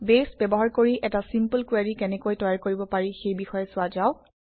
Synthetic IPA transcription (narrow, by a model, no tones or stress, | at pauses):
besbɛbɔɦaɹkoɹiʔɛtasimpəlkwaɹikɛnɛkojtɔjaɹkoɹibɔpaɹixejbixɔjɛsʊad͡ʒaʊ